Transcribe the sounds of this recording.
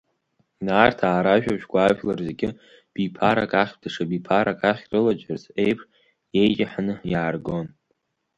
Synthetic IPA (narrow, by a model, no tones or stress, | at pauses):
naːrtʰaːɾaʒᶣaʒʷᶣɡʷaːʒᶣlarzeɡʲɪ | b̥ipʰaɾa̰kʼaχʲdaʂabipʰaɾakʼaχʲrɨlad͡ʒarzejpʰʂ | je̞jt͡ʃʼaħanɨjaːrɡo̞n